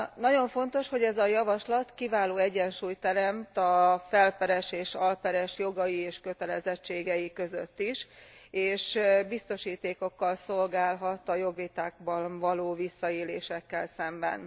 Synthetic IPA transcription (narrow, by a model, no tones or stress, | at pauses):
nɒɟo̞ɱfo̞nt̪o̞ʃho̞ɟɛzɒjɒvɒʃlɒt̪kivaːloːɛɟɛnʃuːjt̪ɛɾɛmt̪ɒfɛlpɛɾɛʃeːʃɒlpɛɾɛʃjo̞ɡɒjieːʃkø̞t̪ɛlɛzɛt͡ʃːeːɡɛjikø̞zøt̪ːiʃeːʃbist̪o̞ʃiːt̪eːko̞kːɒlso̞lɡaːlɦɒt̪ɒjo̞ɡʋit̪aːɡ̚bɒnvɒloːvisːɒeːlḛːʃɛkːɛlsɛmbɛ̰n